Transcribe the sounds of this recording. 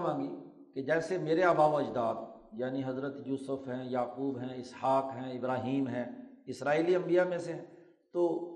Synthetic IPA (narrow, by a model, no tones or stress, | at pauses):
mãːŋɡiː | ked͡ʒɛːsemeːɾeaːbaːbɐd͡ʒd̪aːd̪ | jaːniɦɐzɾət̪juːsəfɦɛ̃jaːkuːbɦɛ̃ːɪshaːkɦɛ̃ːɪbɾaːɦiːmɦɛ̃ːɪsɾaːiːliɐ̃mbijamẽseɦɛ̃ | t̪oː